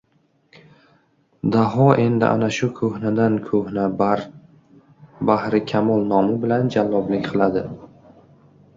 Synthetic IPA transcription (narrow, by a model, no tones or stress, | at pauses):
d̪aɦɒʔe̞nd̪ɪ̰ʔa̰naʃʊkʰɵhnad̪ankʰɵhna | bahɾɪkʲʰamɒlˠnɒmɪbɪland͡ʒalːɒblɪkʲqʰɨlˠad̪ɪ